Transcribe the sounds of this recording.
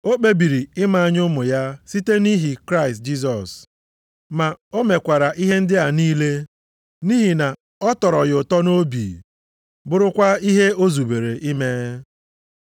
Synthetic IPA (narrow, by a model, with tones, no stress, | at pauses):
o˦k͡pe˦bi˨ɾi˨ɪ˦ma˨a˨ɲʊ˦mʊ˨ja˦si˦te˦ni˦ɦi˨kɾa˦ɪ˨st̚d͡ʒi˦s̬ɔ˨s | ma˨o˦me˨kʷa˨ɾa˨ʔi˦ɦe˦n̩˦dɪ˦a˨niː˦le˦ | ni˦ɦi˨na˨ | ɔ˦tɔ˨ɾɔ˨ɣʊ˨tɔ˦no˦bḭ˨ | bʊ˦ɾʊ˦kʷa˦i˦ɦe˦o˦zu˨be˨ɾe˨ʔi˦me˦